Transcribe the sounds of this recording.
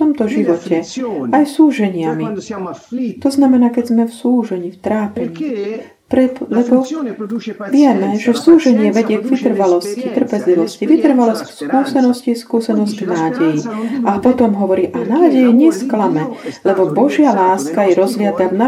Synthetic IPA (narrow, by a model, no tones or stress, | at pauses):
ft̪ɔmt̪ɔʒiʋɔcɛajsuːʒɛɲɪami | t̪ɔznamɛnaːkɛzmɛfsuːʒɛɲift̪ɾaːpɛɲ | pɾɛlɛbɔ | ʋɪɛmɛʒɛsuːʒɛɲɪɛʋɛɟɪɛɡʋit̪r̩ʋalɔscit̪r̩pɛzliʋɔsciʋit̪r̩ʋalɔscskuːsɛnɔsciskuːsɛnɔzɟɡnaːɟɛjiapɔt̪ɔmɦɔʋɔɾiːʔanaːɟɛjɛɲɛsklamɛlɛbɔbɔʒɪalaːskajɛɾɔzʋɪat̪ana